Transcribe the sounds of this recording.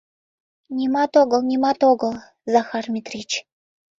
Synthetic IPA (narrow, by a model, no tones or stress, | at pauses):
nʲimɑt̪oɡə̆lˠnʲimɑt̪oɡəlˠ | zɑxɑrmʲit̪rʲit͡ɕ